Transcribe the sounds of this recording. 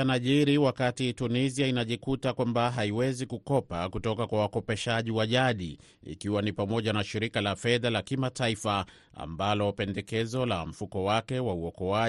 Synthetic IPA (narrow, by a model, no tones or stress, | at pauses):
anaʄiɾiwakatituniziainaʄikutakwambaɦaiwɛzikukɔpakutɔkakwawakɔpɛʃaʄiwaʄaɗḭ | ḭkiwanipamɔʄanaʃiɾikalafɛðalakimataifa | a̰mbalɔpɛndɛkɛzɔlam̩fukɔwakɛwauɔkɔa